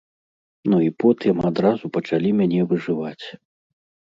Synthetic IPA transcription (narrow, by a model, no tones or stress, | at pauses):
nuipɔt̪ɨmad̪ɾazupɐt͡ʂalʲimʲanʲɛvɨʐɨvat͡sʲ